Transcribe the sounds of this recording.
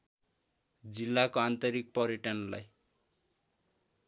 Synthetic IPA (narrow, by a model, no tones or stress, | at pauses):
d͡zilːakoant̪ʌɾik̚pʌɾeʈʌnlaj